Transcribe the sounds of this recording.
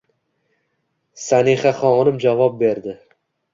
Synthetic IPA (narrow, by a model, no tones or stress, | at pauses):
saniχaχɒnɪmd͡ʒavɒp̚be̞ɾd̪ɪ